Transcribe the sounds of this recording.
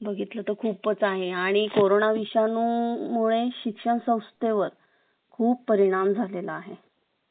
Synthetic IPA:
bəɡʱit̪lət̪əkʰuːpːət͡saɦeaɽ̃ikoɾonaʋiɕjanuːmuɭeɕikʂəɳsə̃w̃st̪eʋəɾ | kʰuːpːəɾiɽ̃amd͡zʱalelaːɦe

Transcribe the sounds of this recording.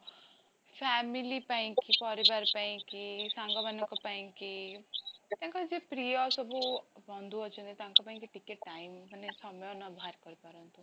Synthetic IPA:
fʰɛmilipaĩkipɔɾibaɾpaĩkisãŋɡɔbanɔkɔpaĩkitt̪jãŋkad͡zepɾijɔsɔbʱubʱɔnd̪ʱuɔt͡ʃʰũnd̪it̪ãŋkɔpaĩkiʈikeʈːaimpənesɔmɔjɔnɔbʱaɾkɔɾipɔɾɔnt̪u

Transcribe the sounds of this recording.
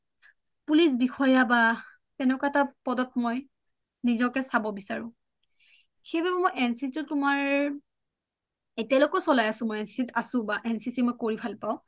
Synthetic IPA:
pulisbixɔjaba | tɛnɛkaɛtapɔdɔt̚mɔj | nizɔkɛsabɔbisaɹʊ̃ | kʰebabɛmojʔɛnsisitʊtːʊmaɹ | etialokɔsɔlajasʊ̃mojɛnsi̥sitasʊ̃baʔɛnsisimojkoɹibʱalpaʊ̃

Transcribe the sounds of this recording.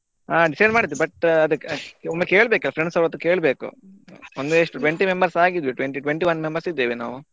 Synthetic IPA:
aːɖisɐjnmaːɖid̪ːubɐʈɐd̪uomːekeːɭbeːkilːɐpʰɾeɳɖsɐɾɐt̪ːuke̞ːɭbe̞ːkṵond̪eːʂʈuʈʋeɳʈimembɐɾsaːɡid̪ʋiʈʋeɳʈiʈʋeɳʈiʋɐnːmembɐɾsid̪ːiːʋina̰ːʋu

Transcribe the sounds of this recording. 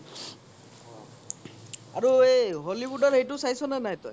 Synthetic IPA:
aɹueɦolibudaɹejtʊsajsɔnanaɦjt̪ɔj

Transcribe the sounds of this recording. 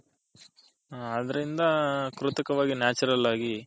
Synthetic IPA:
ɐd̪ɐɾind̪ɐkɾut̪ɐkɐʋaːɡinjaːt͡ʃɐɾɐlaːɡi

